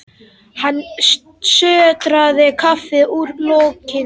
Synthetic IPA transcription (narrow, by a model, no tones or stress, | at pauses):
hanː | sœːt̪ɾaðɪkʰafɪʔuɾlowcɪ